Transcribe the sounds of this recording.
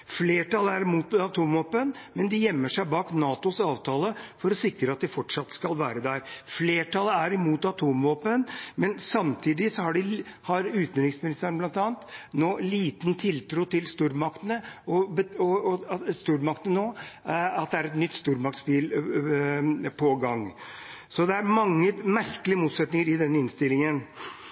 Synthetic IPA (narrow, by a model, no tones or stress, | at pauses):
fleːʈɑləæɾɪmuːt̪ɑt̪ʰuːmʋoːpənmɛnd̪ɪjɛmːəʂæɪbɑːknɑːt̪ʊsɑːʋt̪ʰɑːləfɔɾɔsɪkɾəɑt̪̚d̪ɪfɔʈʂɑt̪ːskɑlʋæːɾəd̪æɾfleːʈʰɑləæɾɪmuːt̪ɑt̪ʰuːmʋoːpənmɛnsɑmt̪ʰiːd̪ɪsɔhɑɖɪhɑɾʉːt̪nɾɪŋsmɪnɪst̪æɳblɑnt̪ɑːnt̪noːliːt̪ənt̪ʰɪlt̪ʰɾuːt̪ɪlst̪uːɾmɑkt̪ənəɔbəɔst̪uːɾmɑkt̪ənənoːɑt̪̚d̪ɛæɾɛt̪nʏt̪ːst̪uːɾmɑk̚t̪spiːl | pʰɔɡɑŋː | sɔd̪ɛæɾmɑŋːəmæɾkəlɪəmuːt̪sɛt̪nɪŋəɾɪd̪ɛnːəɪnst̪ɪlːɪŋən